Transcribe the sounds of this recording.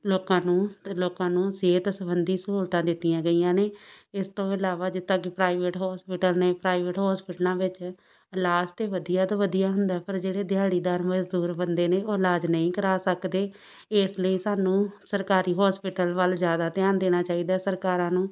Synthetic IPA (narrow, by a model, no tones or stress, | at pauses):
loːkãːnũːloːkãːnũːseːt̪səbənd̪iːsəɦuːlt̪ãːd̪ɪt̪ːijãːɡəiːãːneːɪst̪õːɪlaːʋaːd͡ʒɪt̪ːãːkɪpɾaːɪʋeːʈɦɔːspɪʈəlneːpɾaːɪʋeʈɦɔːspɪʈlãːʋɪt͡ʃ | laːd͡ʒt̪eːʋəd̪ijaːt̪aːʋəd̪ijaːɦʊnd̪aːpʰəɾd͡ʒeːɽeːd̪ɪjaːɽiːd̪aːɾməd͡ʒd̪uːɾbənd̪eːneːoːlaːd͡ʒnəĩːkəɾaːsəkd̪eː | ɪsləiːsaːnũːsəɾkaːɾiːɦɔːspɪʈəlʋəlzjaːd̪aːt̪ɪaːnd̪eːñaːt͡ʃaːiːd̪aːsəɾkaːɾãːnũː